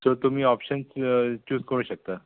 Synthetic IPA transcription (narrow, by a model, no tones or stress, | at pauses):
soɾt̪um̤iːɔpɕənst͡ɕuːskəɾ̃ũɕək̚t̪a